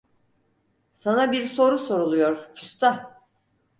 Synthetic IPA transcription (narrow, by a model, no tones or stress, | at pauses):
sanabiɾso̞ɾuso̞ɾulˠujo̞ɾcʰyst̪a